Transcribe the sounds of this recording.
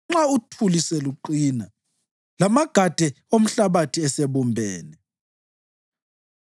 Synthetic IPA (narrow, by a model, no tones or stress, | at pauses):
ŋ͡ǁautʰulisɛluǃina | lamaɡ̥ʱad̥ʱɛ | om̩ɬaβatʰiɛseβumbʱɛːnɛ